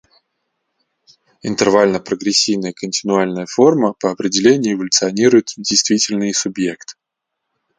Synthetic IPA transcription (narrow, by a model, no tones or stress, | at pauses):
ɪ̰nt̪ɨrvalʲnəpɾəɡɾʲɪsʲːivnəjəkənʲtʲɪnʊalʲnəjəfo̞rməpəɐpɾʲɪdʲɪlʲenʲɪjʊːɪvəlʲʊt̪sɨɐnʲiɾʊjɪt̪dʲejst̪vʲitʲɪlʲnɨjsʊbje̞kt̪ɨ̥